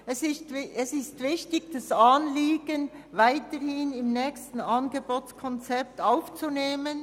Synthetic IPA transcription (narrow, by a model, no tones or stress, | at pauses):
ɛsɪstɛsɪstvɪçtɪɡd̥asɑːnliːɡən | vaɪtəhɪnɪmnɛːçstn̩ɑnɡeboːt͡skʰɔnt͡sɛp̚taʊft͡suneːmən